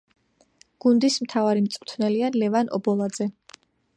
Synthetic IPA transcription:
ɡ̥und̪ismt̪ʰavaɾimt̪sʼqʼt̪ʰnɛlialɛvanʔɔ̰bɔlˠad̪zɛ

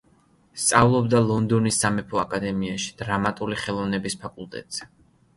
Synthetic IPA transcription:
st̪sʼavlˠɔbd̪alˠɔnd̪ɔnisːamɛpʰɔakʼad̪ɛmiaʃi̥d̪̥ɾamat̪ʼuliχɛlˠɔvnɛbispʰakʼulˠt̪ʼɛ̰t̪ʼz̥ɛ

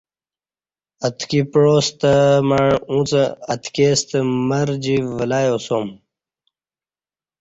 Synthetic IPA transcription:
ət̪kipɻoːst̪əmaɳũt͡səɐt̪ʰkeːst̪əmɐɾd͡ʑiʋɐlaːjoːsoːm

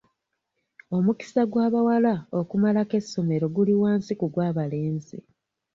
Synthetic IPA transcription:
o̞muki̥saɡwaːβawalaokumalake̞sːo̞me̞ɾo̞ɡuliwaːnsikuɡwaːβale̞ːnzi

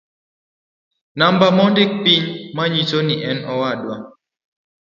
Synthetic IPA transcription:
nambamɔndɪk̚piɲmaɲit͡ʃoniʔɛnɔwadwa

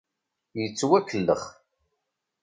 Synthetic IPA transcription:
jət͡sːwækːəlːə̰χ

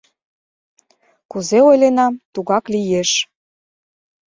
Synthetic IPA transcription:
kuzeojlenɑmt̪uɣɑklijeʃ

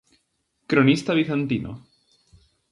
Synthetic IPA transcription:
kɾonist̪aβ̞iθant̪inʔo̰

